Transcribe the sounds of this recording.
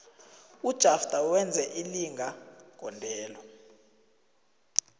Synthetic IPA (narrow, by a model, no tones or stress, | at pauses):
ud̥ʒ̥ʱafd̥ʱʼawɛnd͡zʱɛʔiliŋɡʱaɡ̥ʱɔndʱɛːlɔ